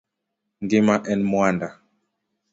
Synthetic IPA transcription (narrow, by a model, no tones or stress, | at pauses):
ŋɡimaʔɛnmwanda